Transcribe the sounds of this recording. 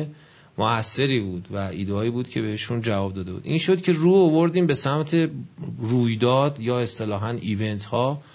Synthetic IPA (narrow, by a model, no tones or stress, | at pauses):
moæsːe̞ɾiːbuːd̪væiːd̪eɒːiːbuːd̪cʰe̞be̞heʃund͡ʒævɒːb̚d̪ɒːd̪e̞bṵːd̪ʔiːnʃo̞d̪cʲʰe̞ruːovoɾd̪iːmbe̞sæmt̪ʰe̞ruːjd̪ɒːd̪jɒːe̞st̪e̞lɒːɦæniːve̞nt̪ʰhɒː